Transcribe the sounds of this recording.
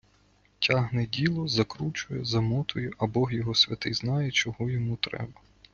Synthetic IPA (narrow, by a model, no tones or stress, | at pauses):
tʲɑɦnɛdʲilˠɔzɐkɾut͡ʃʊjɛzɐmɔt̪ʊjɛʔɐbɔɦjɔɦɔsʲʋʲɐt̪ɪjznɑjɛt͡ʃɔɦɔjɔmut̪ɾɛ̰bɐ